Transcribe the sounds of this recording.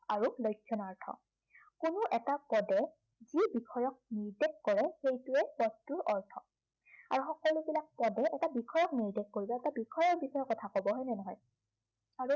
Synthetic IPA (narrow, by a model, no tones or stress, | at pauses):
aɹulojkʰːjɔnaɹtʰɔ̰ | kunʊʔɛtapɔdɛ | zibikʰɔjɔk̚niɹdekkɔɹɛxejtuɛpɔttːuɹʔɔɹtʰɔ̰ | a̰ɹuxɔkɔlubilak̚pɔdɛʔɛtabikʰɔjɔk̚niɹdek̚koɹibɔɛtabikʰɔjɔɹbixʰɔjɔkɔtʰakɔbɔɦɔjnɛnɔɦɔj | aɹu